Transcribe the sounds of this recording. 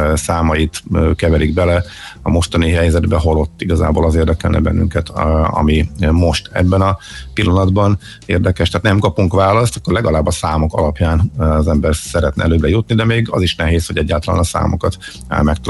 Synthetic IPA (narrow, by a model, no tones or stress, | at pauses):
saːmɒjit̪ːkɛvɛliɡbɛlɛ | ɒmo̞ʃt̪ɒniɦɛjzɛd̪bɛɦolo̞t̪ːiɡɒza̰ːbo̰ːlɒzeːrd̪ɛkɛlnʔɛ̰bɛ̰nːy̰ŋkɛt̪ɒ̰mimo̞ʃt̪ɛ̰bːɛnɒpilːɒnɒd̪bɒn | eːrd̪ɛkɛʃt̪aːt̪nɛmkɒpuŋkʋaːlɒst̪ɒ̥kːo̞rlɛɡɒlaːbːɒsaːmo̞kɒ̰lɒpjaːnɒzɛmbɛrsɛɾɛt̪nɛ̰ʔɛ̰løːbɾɛjut̪̚nid̪ɛmeːɡɒ̰ziʃnɛɦeːsho̞ɟɛɟːaːlt̪ɒla̰ːnɒsa̰ːmokɒt̪ | ɛ̰lmɛk̚t̪